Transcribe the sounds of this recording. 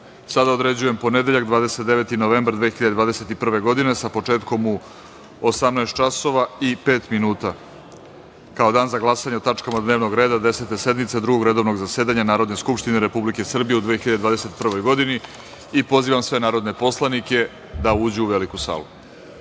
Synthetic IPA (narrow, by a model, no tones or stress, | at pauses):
sad̪aod̪ɾe̞d͡ʑujempo̞ne̞d̪e̞ʎakd̪ʋaːd̪eset̪̚d̪e̞ʋe̞t̪ino̞ʋe̞ːmbaɾd̪ʋeːxiʎad̪ed̪vaːd̪e̞se̞t̪ipr̩ʋe̞ɡo̞d̪ine̞sapo̞t͡ʂe̞ːt̪ko̞mu | osamnaest̪̚t͡ʃaso̞ʋaipe̞ːt̪minuːt̪a | kao̞d̪aːnzaɡlˠasaɲeot̪at͡ʂkamad̪neːʋnoɡɾeːd̪ad̪e̞set̪e̞se̞d̪mit̪sed̪ɾuɡo̞ɡɾe̞d̪o̞ʋno̞ɡzase̞ːd̪aɲanaːɾo̞d̪neskupʃt̪ine̞ɾe̞publike̞sr̩bijeud̪ʋexiʎad̪ed̪vaːd̪ese̞t̪pr̩ʋo̞jɡo̞d̪ini | ipo̞ziːʋamsʋe̞naːɾo̞d̪nepo̞slˠanike̞ | d̪auːd͡ʑuuʋe̞likusa̰ːlˠṵ